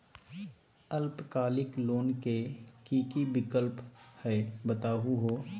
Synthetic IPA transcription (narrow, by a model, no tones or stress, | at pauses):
əlpkaːlɪkloːnkekiːkibɪkəlphɛbət̪aːɦuɦoː